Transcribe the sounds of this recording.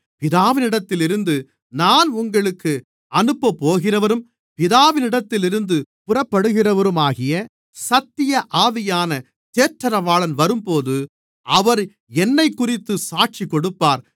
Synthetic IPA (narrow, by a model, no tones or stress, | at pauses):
pɪðaːʋɪnɪɽɐt̪ːɪlɪɾɯnd̪ɯ | naːnʊŋɡɐɭɯkːɯ | ɐnɯpːɐpːoːɣɪrɐʋɐɾɯm | pɪðaːʋɪnɪɽɐt̪ːɪlɪɾɯnd̪ɯpʊrɐpːɐɽɯɣɪrɐʋɐɾɯmaːɣɪjɐ | sɐt̪ːɪjɐʔaːʋɪjaːnɐ | t̪eːʈɾɐɾɐʋaːɭɐnʋɐɾɯmpoːðɯ | ɐʋɐɾ | ɛnːɐɪkːʊrɪt̪ːɯsaːʈ̚t͡ʃikːɔɽɯpːaːɾ